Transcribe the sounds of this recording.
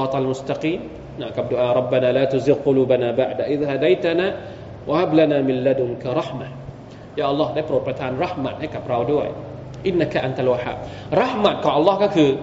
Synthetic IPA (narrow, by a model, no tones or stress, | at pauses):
ɑt̪almʊst̪aqiːmː | amkab̚doʔaɾˤɑbːanalaːt̪ʊzɪl̚qʊlubanabaʕdaʔiðaɦadajt̪ana | wʔahablanamɪlːadʊŋkaɾˤɑħmah | jaʔɑlːɑhdaipəɾot̪̚pat̪ʰaanrɑħma̰t̪̚ɲakapɾawdua̰j | ʔɪnːakaʔant̪alwaħa̰b̚rɑħmat̪̚kaʔɑlːɑhkakɨ